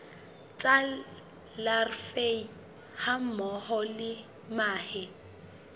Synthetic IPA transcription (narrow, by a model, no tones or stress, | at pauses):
t͡sʼa | larfei | ham̩mɔhɔlɪ | maːhɪ